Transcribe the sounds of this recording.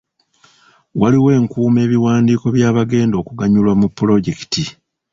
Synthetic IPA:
wʔaliwe̞ːŋkuːme̞ːβiwaːndiːko̞βjaːβaɡe̞ːndo̞ːkuɡaɲulwamupːulo̞ɟe̞ki̥ti

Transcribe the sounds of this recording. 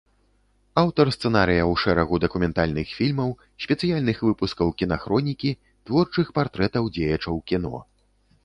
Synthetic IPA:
awt̪ɐrst̪sɛnaɾɨjɐwʂɛɾɐɣud̪ɐkumʲɛnt̪alʲnɨxfʲilʲmɐw | sʲpʲɛt̪sɨjalʲnɨxvɨpuskɐwkʲinaxɾɔnʲikʲi | t̪vɔrt͡ʂɨxpart̪ɾɛt̪ɐwd͡zʲejɐt͡ʂɐwkʲinɔ̰

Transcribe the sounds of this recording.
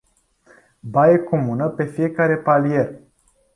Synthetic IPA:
bajeko̞munəpe̞fije̞kaɾe̞palije̞r

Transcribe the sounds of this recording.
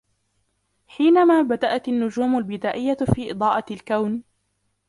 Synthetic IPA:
ħiːnamaːbad̪aʔat̪anːʊd͡ʒuːmʊlbɪd̪aːʔɪjːafiːʔɨd̪ˤɑːʔɑlkawn

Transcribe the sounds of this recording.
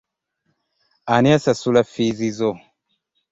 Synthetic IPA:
aniasasulafizizo

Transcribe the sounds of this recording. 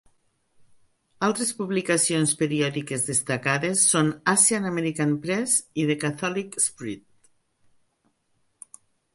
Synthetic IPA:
alˠt̪ɾespuβlikasionspeɾiɔðikezðest̪akaðesːonasjanameɾikanpɾɛziðekat̪ɔlikspɾit̪̚

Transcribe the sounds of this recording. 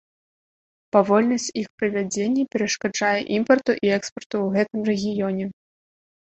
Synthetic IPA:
pavɔlʲnɐsʲt͡sʲixpɾɨvʲad͡zʲenʲːɐpʲɛɾɐʂkad͡ʐajɛʔimpɐrt̪uʔiɛkspɐrt̪uwɣɛt̪ɨmrɛɣʲijɔnʲɛ

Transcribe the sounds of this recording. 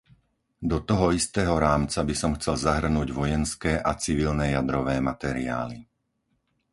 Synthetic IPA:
d̪ɔt̪ɔɦɔist̪ɛːɦɔɾaːmt͡sabisɔmxt͡sɛlzaɦr̩nuːɟʋɔjɛnskɛːʔat͡siʋilnɛjad̪ɾɔʋɛːmat̪ɛɾḭa̰ːli

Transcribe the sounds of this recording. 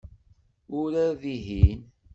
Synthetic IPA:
ʊɾaðiɦin

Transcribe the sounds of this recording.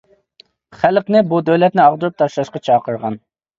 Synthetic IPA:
χælqnɪbud̪øwlɛt̪̚nɪɑʁd̪uɾup̚t̪ʰɑʃlˠɑʃqɑt͡ʃʰɑːqʰəɾʁɑ̰n

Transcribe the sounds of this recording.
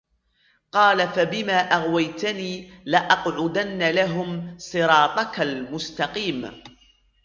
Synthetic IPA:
qɑːlafabɪmaːʔaɣwajt̪aniːlaʔɑqʕʊd̪anːalaɦʊmsˤɨɾɑːt̪ˤɑkalmʊst̪ɑqiːm

